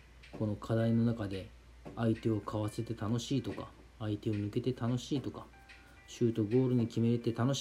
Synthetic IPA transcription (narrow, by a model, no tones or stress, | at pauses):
ko̞no̞kʰad̪aino̞nakad̪e̞ | ait̪e̞o̞kʰaβase̞t̪e̞t̪ano̞ɕiːt̪o̞ka̰ | ait̪e̞o̞nɯ̟ke̞t̪e̞t̪ano̞ɕiːt̪o̞kḁ | ɕɨːt̪o̞ɡo̞ːɾɯ̟ɲ̟ikʲime̞ɾet̪e̞t̪ano̞ɕ